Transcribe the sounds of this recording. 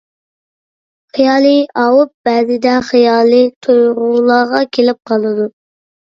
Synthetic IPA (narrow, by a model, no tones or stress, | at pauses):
χijɑːlˠɨɑwup̚b̥ɛːzɪd̪ɛχijɑːlˠɨt̪ʰujʁʊlˠɑʁɑkʲʰelɪp̚qʰɑlˠɨd̪u